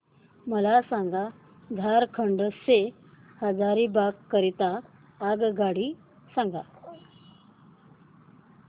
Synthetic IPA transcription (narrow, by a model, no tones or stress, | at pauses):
məlasãŋɡa | d̪ʱaɾkʰəɳɖəse | həd͡zaɾibakkːəɾit̪aː | ɡɡaɽi | sãŋɡa̰